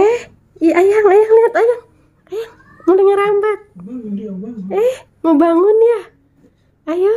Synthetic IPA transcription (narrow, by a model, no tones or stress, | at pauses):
ɛh | jajaŋajaŋliat̪ajaŋ | ajaŋ | mulaŋaɾambat̪̚ | ɛh | ŋobaŋʊnja | aja